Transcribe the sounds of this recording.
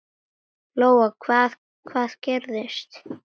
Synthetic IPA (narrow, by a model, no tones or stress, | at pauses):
lowakʰvaːð | kʰvaːðcɛɾðɪst̪